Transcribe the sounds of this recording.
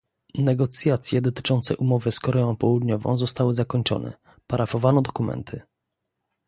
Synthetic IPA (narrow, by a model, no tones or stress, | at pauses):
nɛɡɔt̪sʲjat̪sʲjɛd̪ɔt̪ɘ̥t͡ʂɔnt̪sɛʔumɔvɘskɔɾɛɔ̃w̃pɔwud̪ɲɔvɔ̰̃w̃zɔst̪awɘzakɔɲt͡ʂɔ̰nɛ̰ | paɾʔafɔvanɔd̪ɔkumɛ̰nt̪ʰɘ